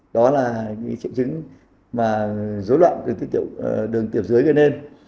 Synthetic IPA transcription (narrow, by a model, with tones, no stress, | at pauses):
ɗɔ˨˦laː˨˩kaː˨˦jt͡ɕḭ˧˨wt͡ɕɨ˨˦ŋ | maː˨˩zo˨˦jlwa̰ː˧˨nt̪ɨ˨˩ŋt̪i˨˦t̪i˧˨ə˨wɗɨ˨˩əŋt̪i˧˩əwzɨ˨˦əjɣə˧˩ne˧n